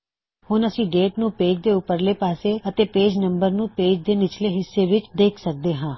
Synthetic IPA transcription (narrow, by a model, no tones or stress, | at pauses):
hʊnəsĩːɖeːʈnũːpeːd͡ʒd̪eːʊpəɾleːpaːseːət̪eːpeːd͡ʒnə̃mbəɾnũːpeːd͡ʒd̪eːnɪt͡ʃleːɦɪsːeːʋɪt͡ʃd̪eːkʰsək̚d̪eːɦãː